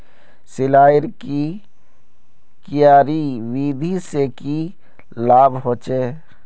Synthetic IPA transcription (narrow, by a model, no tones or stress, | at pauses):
sɪlaːjɪɾki | kɪjaːɾiwiːd̪ʱiseki | laːbʱɦoːt͡ʃeː